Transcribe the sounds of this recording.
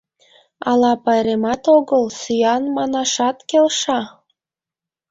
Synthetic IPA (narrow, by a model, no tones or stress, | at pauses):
ɑlɑpɑɾemɑt̪oɣəlsyjɑnmɑnɑʃɑt̪kelʃɑ